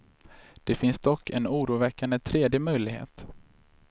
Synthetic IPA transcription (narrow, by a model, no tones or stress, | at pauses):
d̪̥ɛfɪnsd̪̥ɔkʰːɛnuːɾuːvɛkːand̪ət̪ʰɾeːd̪jəmœjlɪɡhḛːt̪